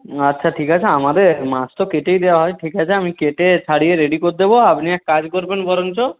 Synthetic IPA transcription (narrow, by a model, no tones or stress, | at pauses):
ətːʃʰaʈʰikat͡ʃʰeamad̪eɾmast̪ɔkeʈejd̪eaɦɔjʈʰikat͡ʃʰeamikeʈet͡ʃʰaɽieɾeɖikoɾd̪eboapniɛkkad͡ʒkɔɾbenbɔɾɔnt͡ʃɔ